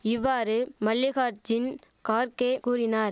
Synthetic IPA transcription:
ɪʋːaːɾɯmɐljɐɣaːɾd͡ʒɪn | kaːɾkeːkuːɾɪnaːɾ

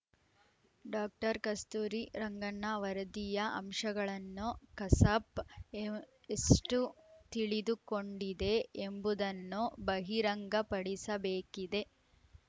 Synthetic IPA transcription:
ɖaːk̚ʈɐɾkɐst̪uːɾiɾɐŋɡɐnːɐʋɐɾɐd̪ijɐʔɐ̰mʂɐɡɐɭɐnːukɐsɐp | esʈut̪iɭid̪uko̞ɳɖid̪e̞ːmbud̪ɐnːubɐɦiɾɐŋɡɐpɐɽisɐbeːkid̪e̞

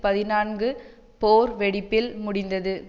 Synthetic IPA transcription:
pɐðɪnaːnɡɯ | poːɾʋɛɽɪpːɪlmʊɽɪnd̪ɐðɯ

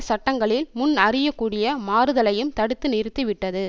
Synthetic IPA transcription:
sɐʈːɐŋɡɐɭɪlmʊnɐrɪjɐkːuːɽɪjɐmaːɾɯðɐlɐjɯmt̪ɐɽɯt̪ːɯnɪɾɯt̪ːɯʋɪʈːɐðɯ

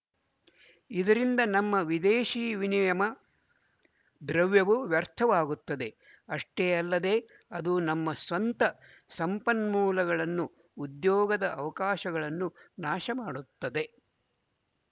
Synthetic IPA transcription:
id̪ɐɾind̪ɐnɐmːɐʋid̪eːʃiːʋinijɐmɐ | d̪ɾɐʋjɐʋuʋjɐɾt̪ʰɐʋaːɡut̪ːɐd̪e̞ | ɐʂʈeːɐlːɐd̪e̞ː | ɐd̪unɐmːɐsʋɐnt̪ɐ | sɐmpɐnmuːlɐɡɐɭɐnːuː | d̪jɔːɡɐd̪ɐʔɐʋɐkaːʃɐɡɐɭɐnːunaːʃɐmaːɽut̪ːɐd̪e̞

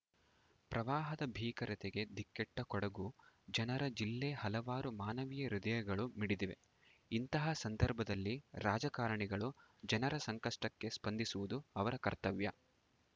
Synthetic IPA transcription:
pɾɐʋaːɦɐd̪ɐbʱiːkɐɾɐt̪eɡe̞d̪ikːɛʈːɐkɔɽɐɡud͡ʒɐnɐɾɐd͡ʒilːehɐlɐʋaːɾumaːnɐʋijɐɾid̪ɐjɐɡɐɭumiɽid̪iʋe̞̰ | int̪ɐɦɐsɐnd̪ɐɾbʱɐd̪ɐlːiɾaːd͡ʒɐkaːɾɐɳiɡɐɭud͡ʒɐnɐɾɐsɐŋkɐʂʈɐkːe̞spɐnd̪isuʋud̪uɐʋɐɾɐkɐɾt̪ɐʋjɐ

